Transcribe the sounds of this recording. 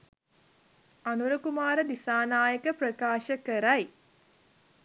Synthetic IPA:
anuɾəkumaːɾəd̪isaːnaːjəkəprɐkaːʃəkəɾaj

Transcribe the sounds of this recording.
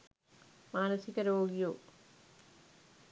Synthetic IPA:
maːnɐsikɐɾoːɡijo

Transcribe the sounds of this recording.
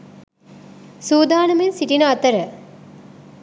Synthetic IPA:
suːd̪aːnɐmensiʈinəɐt̪əɾə

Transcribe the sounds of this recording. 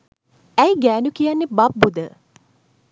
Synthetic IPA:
æjɡæːnukijanːebɐbːud̪ə

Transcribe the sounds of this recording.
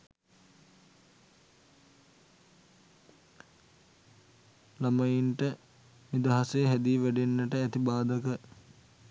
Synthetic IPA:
laməjinʈə | nid̪aɦasejɦæd̪iːʋæɖenːəʈəæt̪ibaːd̪əkə

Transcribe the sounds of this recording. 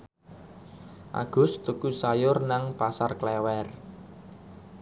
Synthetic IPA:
ʔa̰ɡ̥ʊ̤st̪ukusajʊrnaŋpasarklɛwɛr

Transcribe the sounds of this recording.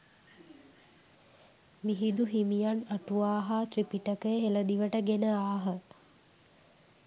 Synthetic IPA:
miɦid̪uɦimijanaʈuaːɦaːt̪ripiʈəkəjəɦeləd̪iʋəʈəɡenəaːɦə

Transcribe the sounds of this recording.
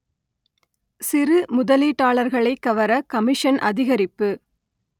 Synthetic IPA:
sɪrɯmʊðɐliːʈːaːɭɐɾɣɐɭɐɪkːɐʋɐɾɐkɐmɪʂɐnʔɐðɪɣɐɾɪpːɯ

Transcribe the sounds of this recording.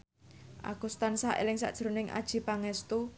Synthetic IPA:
ʔa̰ɡ̥ust̪ansaʔḛlɪŋsa̰ʔd̥ʒ̥əɾonɪŋʔa̰d̥ʒ̥i̤paŋɛst̪u

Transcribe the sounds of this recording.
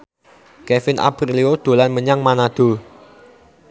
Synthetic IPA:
kɛfɪnʔa̰pɾiliod̪̥o̤lanməɲaŋmanad̪̥o̤

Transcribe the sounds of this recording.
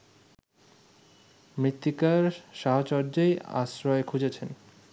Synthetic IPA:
mɾit̪ːikaɾʃaɦot͡ɕɔɾd͡ʑeja̰sɾɔekʰud͡ʑet͡ɕʰen

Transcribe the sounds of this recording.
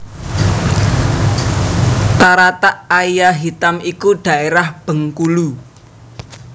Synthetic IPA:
t̪aɾat̪aʔaijaɦit̪amikud̪̥ä̤eɾahb̥ə̤ŋkulu

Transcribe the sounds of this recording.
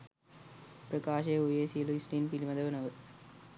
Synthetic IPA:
pɾɐkaːʃeːujeːsiluisʈiːnpilimɐd̪ɐʋɐnɐʋɯ

